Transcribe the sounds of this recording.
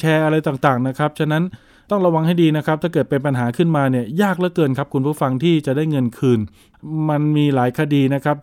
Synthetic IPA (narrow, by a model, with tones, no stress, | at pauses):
t͡ɕʰɛː˧ʔa˧ɾa˧jt̪aː˨˩ŋt̪aː˨˩ŋna˦˥kʰa˦˥p̚t͡ɕʰa˥˩na˦˥n | t̪ɔ˥˩ŋɾa˧wa˧ŋha˥˩jdiː˧na˦˥kʰɾa˦˥p̚t̪ʰaː˥˩kɤː˨˩t̪̚pe˧npa˧nɦaː˩˦kʰɯ˥˩nmaː˧ni˥˩ɐjaː˥˩k̚lɛ˦˥kɤː˧nkʰa˦˥p̚kʰu˧npʰu˥˩˨fa˧ŋt̪ʰiː˥˩t͡ɕa˨˩daː˥˩jŋɤ˧nkʰɯː˧˩n | ma˧nmiː˧laː˩˦jkʰa˧diː˧na˦˥kʰa˦˥p̚